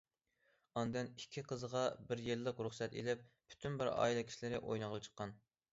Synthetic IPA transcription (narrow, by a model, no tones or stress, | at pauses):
ɑnd̪ɨnikʲʰːiqʰəzʁɑbɪɾjelːəqɾuχsɛt̪ḛlɪp̚ːʰy̥t̪ʰynbɪɾɑ̰ːilˠɨkʲʰi̥ʃilɪɾɪʔo̰jnɨʁlˠɨt͡ʃʰə̥qːɑn